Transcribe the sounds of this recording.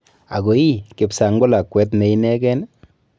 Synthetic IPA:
a̰˨ɡo˨i˦kɪ˨psa˨ŋɡʊ˦la˨kwɛ˦t̬ne˨˦ji˦nɛ˦kɛ˦n

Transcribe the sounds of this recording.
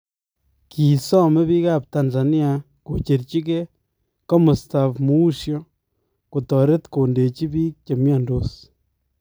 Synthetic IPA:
ki˨sɔ˦mɛ˦βi˦ka˦p̚ta˨nza˨ni˦a˨ | ko˨t͡ʃe˨ɾt͡ʃi˦k̬e˦ | kɔ˦mu˨sta˨fmu˦u˦ʃjɔ˦ | ku˨tɔ˨ɾe˦tko˨nde˨t͡ʃi˦bi˦k̚t͡ʃe˨mjɔ˨ndo˨s

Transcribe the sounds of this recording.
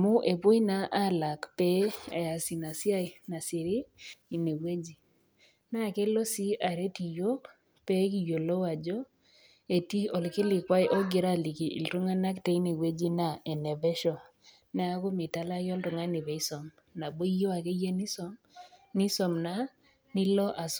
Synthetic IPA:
mʊ˦ʔe˨pʊ˦i˦na˦ʔa˦la˨kpɛ˦a̰˨ja˨si˨na˨si˦a˦jna˨sɪ˨ɾiː˦˨ne˨we˦d͡ʒi˨ | na˦ke˦lo˦si˦ʔa˨ɾe˦ti˨jo˦k | pɛ˦k̬i˨jo˨lo˦wa˨d͡ʒɔ˦ | e˨ti˦ɔ˨lkɪ˦lɪ˨kwa˦jʔɔ˦ɡɪ˨ɾa˦˨li˨ki˨ʔḭ˨ltu˦ŋa˦na˦kte˦i˦ne˨we˦d͡ʒi˦na˦˨e˨nɛ˨vɛ˦ʃɔ˨ | na˦a˦kʊ˦mɪ˨ta˦la˦jɔ˦ltʊ˨ŋa˦nɪ˨βɛ˨˦i˦sɔ˨m | na˨bo˦i˦jo˦a˨ke˦je˦ni˦sɔ˦m | ni˦sɔ˨mna˦ | nɪ˦lɔ˦ʔa˨s

